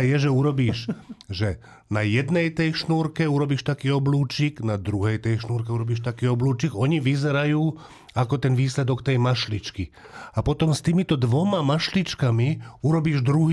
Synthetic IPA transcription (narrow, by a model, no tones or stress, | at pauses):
jɛʒɛuɾɔbiːʃʒɛ | najɛd̪nɛjt̪ɛjʃnuːɾkɛuɾɔbiːʃt̪akiːɔbluːt͡ʃiɡnad̪ɾuɦɛjt̪ɛjʃnuːɾkɛuɾɔbiːʃt̪akiːɔbluːt͡ʃiɡɔɲiʋizɛɾajuː | akɔt̪ɛnʋiːslɛd̪ɔkt̪ɛjmaʃlit͡ʃki | apɔt̪ɔmst̪iːmit̪ɔd̪ʋɔmamaʃlit͡ʃkamiuɾɔbiːʒd̪ɾuɦ